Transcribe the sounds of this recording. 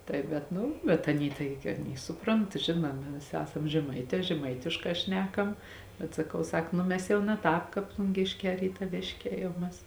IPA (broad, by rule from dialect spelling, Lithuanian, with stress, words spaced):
ˈtɐɪ bʲɛt ˈnʊ bʲɛt ˈɑːˌnʲiː ˈtɐɪɡʲɪ ɐˈnʲiː ˈsʊˌproːnt ˈʒʲɪnuɔmʲɪ ˈʋʲɪˌsʲɪ ˈæːsɐm ʒʲɛˈmɐɪtʲɛː ʒʲɛˈmɐɪtʲɪʃkɑː ˈʃʲnʲæːkɐm bʲɛt sɐˈkɐʊ ˈsɐk ˈnʊ mʲɛs ˈjɛʊ nɐ ˈtɑːp ˈkɑːp plˠʊŋʲˈɡʲeːʃʲˌkʲɛː rʲiːtɐˈʋʲeːʃʲˌkʲɛː jɛʊ ˈmʲɛs